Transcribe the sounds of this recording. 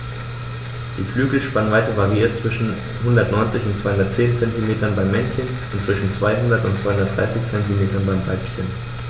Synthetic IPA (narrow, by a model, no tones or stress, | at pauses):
d̥iːflyːɡl̩ʃpanənvaɪtəvaʁiiːɐt̚t͡sv̥ɪʃn̩ | hʊndɐtnɔʏnt͡sɪçʊntsv̥aɪhʊndɐtt͡seːnt͡sɛntimeːtɐnbaɪmːɛnçən | ʊntt͡sv̥ɪʃn̩t͡sv̥aɪhʊndɐtʊntt͡sv̥aɪhʊndɐd̥ʁa̰ɪsɪçt͡sɛntimeːtɐnbaɪmva̰ɪpçən